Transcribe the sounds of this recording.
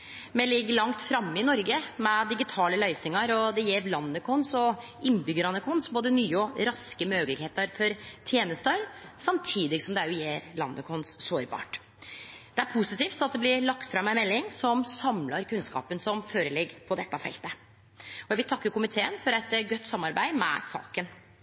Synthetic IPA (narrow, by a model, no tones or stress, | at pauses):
mɛlɪɡːəɭɑŋt̪fɾɑmːɪnɔɾɡəmɛd̪ɪɡɪt̪ʰɑːləlœʏsnɪŋɑɾɔd̪ɛjeːɾlɑnːəkʰʊnsɔ | ɪnːbʏɡəɾɑnːəkʰʊnsboːd̪ənyːəɔɾɑskəmøːɡəlɪɡheːt̪əɾfɔɾt̪ʰjeːnəst̪əɾsɑmt̪ʰiːd̪ɪɡsɔmd̪ɛæjʉjeːɾlɑ̰nːəkʰɔnsːoːɾbɑ̰ːʈ | d̪̥ɛæɾpʰusɪt̪iːft̪ɑt̪̚d̪ɛblɪɭɑkt̪fɾɑmːæɪmɛlːɪŋsɔmsɑmlɑɾkʉnskɑ̰ːpənsɔmføːɾəlɛɡpʰɔd̪ɛt̪ːɑfɛ̰lt̪ə | ɔjæʋɪlt̪ʰɑkːəɾkʊmɪt̪ʰeːənfɔɾɛt̪ɡœt̪ːsɑmːɑɾbæɪmɛ̰sɑ̰ːkən